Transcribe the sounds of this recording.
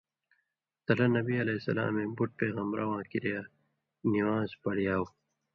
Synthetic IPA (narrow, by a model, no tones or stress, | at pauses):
t̪ɐlɐnɐbiɐleːsɐ̰la̰ːmẽːbuʈ̚peːɣɐmbɾawãːkiɾija | niwaːzpɐɽijaːw